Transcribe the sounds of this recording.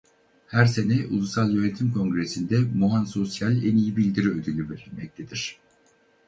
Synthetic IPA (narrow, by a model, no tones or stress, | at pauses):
hæɾse̞nɛʔulˠusalˠjønet̪ʰimkʰo̞ŋɡɾesind̪ɛmuɦanso̞sjalʲɛnijibilʲd̪iɾiød̪ylʲyveɾilʲmɛc̚t̪ʰed̪iɾ̥